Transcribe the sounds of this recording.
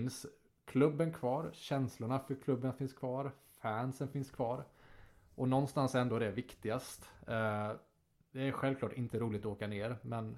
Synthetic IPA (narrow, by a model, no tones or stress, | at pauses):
ns | kʰlɵbːənkʰvɑːɾɕɛnslʊɳafœɾkʰlɵbːənfɪnskʰvɑːɾ | fænsənfɪnskʰvɑːɾ | ʔɔnɔnːst̪ansɛnd̪oːd̪ɛæɾvɪkt̪ɪɡast̪ | d̪̥ɛæɾɧɛlvklɑːʈɪnt̪əɾuːlɪt̪ɔoːkaneːɾmɛn